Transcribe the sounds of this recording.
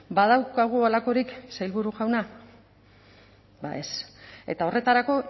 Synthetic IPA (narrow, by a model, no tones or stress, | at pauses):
baðawkaɣ̞ualako̞ɾiksajlβuɾuʝawna | ba̰e̞se̞̰t̪ao̞re̞t̪aɾako̞